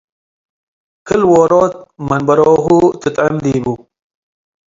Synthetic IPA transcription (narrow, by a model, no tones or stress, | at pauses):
kəlwoːɾoːt̪̚mɐnbɐɾoːɦut̪ɨt̪ʕɪmd̪iːbu